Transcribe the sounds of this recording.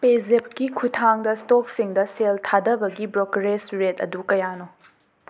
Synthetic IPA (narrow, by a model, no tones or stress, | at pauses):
pezep̚kikʰutʰaŋdɐstoksiŋdɐseltʰadɐbɐɡibɾokɾesɾetɐ̰dukɐjano